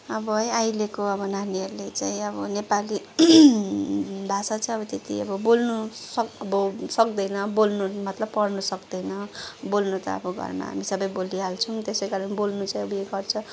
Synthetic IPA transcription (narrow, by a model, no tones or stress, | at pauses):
ʌbʌɦʌjajlekoʌbʌnaniʌrlet͡saĩʌbʌnepali | bʱasat͡saĩʌbʌt̪et̪ḭʌbʌbolnusʌʌbʌsʌk̚d̪ʌjnʌbolnumʌt̪lʌbpʌrnusʌkd̪ʌjnʌbolnut̪ʌ̰ʌ̰bʌɡʌ̰rnʌ̰a̰misʌbʌjboliɦalt͡sʰut̪esejkaɾʌnibolnut͡saĩʌbeɡʌrt͡sʰʌ